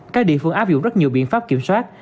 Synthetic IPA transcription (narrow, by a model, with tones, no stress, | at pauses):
kaː˦˥k̚ɗḭ˧˨əfɨ˧˩əŋʔaː˦˥p̚zʊ̰˧˨ŋ͡mzə˦˥t̚ɲi˨˩əwɓḭ˧ənfaː˦˥p̚ki˧˩əmswaː˦˥t̚